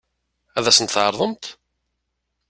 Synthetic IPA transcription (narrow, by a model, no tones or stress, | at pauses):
æðæsənt̪θʕəɾˤðˤəmt̪